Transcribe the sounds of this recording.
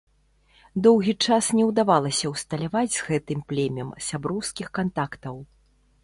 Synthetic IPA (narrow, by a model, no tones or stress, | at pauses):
d̪ɔwɣʲit͡ʂasnʲɛwd̪avalˠɐsʲɐwst̪ɐlʲavad͡zʲzɣɛt̪ɨmplʲɛmʲɐmsʲabɾɔwskʲixkant̪akt̪ɐw